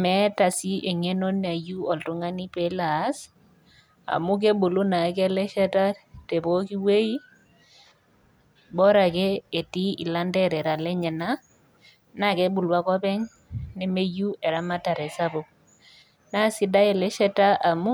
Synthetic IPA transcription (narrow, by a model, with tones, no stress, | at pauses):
mɛ˨˦ta˨si˦ʔe˨ŋe˦no˦n˨a˨ju˦ɔ˨ltu˨˦ŋa˦ni˦pɛ˦la˨˦s | a̰˨mu˦k̬e˦bu˨lu˦na˨˦kɛ˦lɛ˦ʃɛ˦ta˦te˨bo˦ki˦we˦i˦ | bɔ˦ɾa˨kɛ˦e˨ti˦ḭ˨la˦ndɛ˦ɾɛ˨ɾa˨lɛ˦ɲɛ˨na˦ | na˦ke˦bu˨lwa˦kɔ˦pɛ˦ŋ | ne˦me˦ju˦e˨ɾa˦ma˦ta˨ɾɛ˨sa˦bo˨ | na˦si˦da˦e˨lɛ˦ʃɛ˦ta˦a˨mu˦